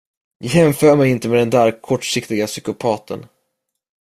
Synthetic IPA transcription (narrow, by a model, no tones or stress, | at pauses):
jɑhɛmfœːɾmɛjɪnt̪əmɛd̪ɛnd̪æːɾkʰɔʈːʂɪkt̪ɪɡasʏkʊpʰɑːt̪ʰə̰n